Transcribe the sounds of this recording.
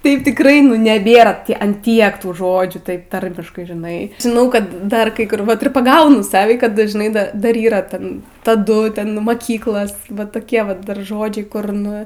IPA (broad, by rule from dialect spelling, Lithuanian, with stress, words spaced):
ˈtɐɪp tʲɪkˈrɐɪ nʊ nʲɛˈbʲeːrɐ ɐn ˈtʲiɛk ˈtuː ˈʒoːd͡ʒʲuː ˈtɐɪp ˈtɐrʲmʲɪʃkɐɪ ʒʲɪˈnɐɪ ʒʲɪˈnɐʊ ˈkɐt dɐr ˈkɐɪ ˈkʊr ɪr pɐˈɡɐʊnʊ ˈsɑːʋʲiː kɐt dɐʒˈnɐɪ ˈdɐr ˈdɐr iːˈrɐ ˈtʲɛn tɐˈdʊ ˈtʲɛn mɐˈkʲiːklˠɐs ˈʋɐt toːˈkʲiɛ ˈʋɐt dɐr ˈʒoːd͡ʒʲɛɪ kʊr ˈnʊ